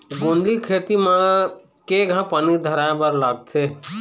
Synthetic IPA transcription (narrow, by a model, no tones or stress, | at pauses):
ɡõːnd̪likʰeːt̪imã | keɡʱãpənid̪ʱəɾaːj̃bəɾlaːɡ̚t̪ʰeː